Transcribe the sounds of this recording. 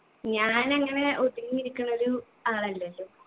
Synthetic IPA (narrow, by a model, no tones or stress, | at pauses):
ɲaːnɐŋːɐne̞ʔod̪iɣŋːiɾikʲːuɳɐoɾu | aːɭɐlːɐlːo